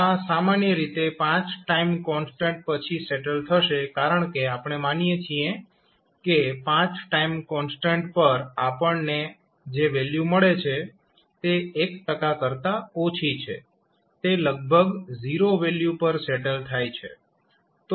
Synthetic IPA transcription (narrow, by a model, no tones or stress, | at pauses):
asamanjəɾit̪epãt͡ʃʈaimkɔnsʈẽɳʈ̚pət͡ʃʰiseʈəlt̪ʰəʃekaɾəɳ̃keapɳ̃emanijet͡ʃʰije | kepãt͡ʃʈaimkɔnsʈẽɳʈpəɾapəɳne | d͡ʒeʋeljuməɭet͡ʃʰe | t̪eːkʈəkakəɾt̪aot͡ʃʰit͡ʃʰḛ | t̪eləɡ̚bʱəɡziɾoʋeljupəɾseʈəlt̪ʰajt͡ʃʰḛ | t̪